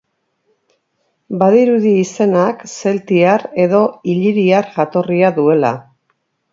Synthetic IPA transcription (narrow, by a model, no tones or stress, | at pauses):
baðiɾuðiːse̞nakse̞lt̪iaɾe̞ðo̞iʎiɾiaɾʝat̪o̞riaðue̞la̰